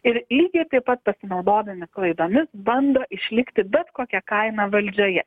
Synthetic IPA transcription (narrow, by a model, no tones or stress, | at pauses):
ɪɾlʲiːɡʲɛɪt̪ɐɪpːɐt̪̚pɐsʲɪnɐʊd̪oːd̪ɐmʲɪklˠɐɪd̪oːmʲɪsbɐnd̪oːʔɪʃʲlʲɪkt̪ʲɪbʲɛt̪koːkʲɛkɐɪnɑʋɐlʲd͡ʒʲoːjɛ